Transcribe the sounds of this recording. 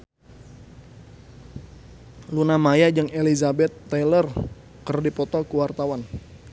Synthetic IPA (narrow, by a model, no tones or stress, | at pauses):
lunamajad͡ʒəŋelizabɛt̪ːɛlər | kərdipɔt̪ɔkuwart̪awan